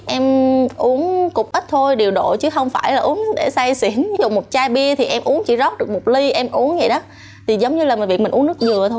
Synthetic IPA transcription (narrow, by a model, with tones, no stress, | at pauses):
ʔɛ˧mʔu˨˦əŋkʊ˨˩k͡p̚ʔə˦˥k̚t̪ʰo˧jɗe˨˩əwɗo̰˧˨t͡ɕɨ˨˦xə˧wŋ͡mfaː˧˩jlaː˨˩ʔu˨˦əŋɗḛ˧˩sa˧jsḭ˧˩ənzṵ˨˩mo˨˩t̚t͡ɕaː˧jɓi˧ət̪ʰi˨˩ʔɛ˧mʔu˨˦əŋt͡ɕḭ˧˩˥zɔ˦˥t̚ɗɨ˨˩k̚mo˨˩t̚li˧ʔɛ˧mʔu˨˦əŋzə̰˧˨jɗɔ˨˦ | t̪ʰi˨˩zə˨˦wɲɨ˧laː˨˩m˨˩vi˩k̚mi̟˨˩u˨˦ənɨ˦˥ək̚zɨ˨˩ət̪ʰo˧j